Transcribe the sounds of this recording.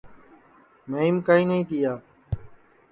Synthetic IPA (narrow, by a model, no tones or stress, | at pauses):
məiːmkaːĩːnəĩːt̪ʰiːaː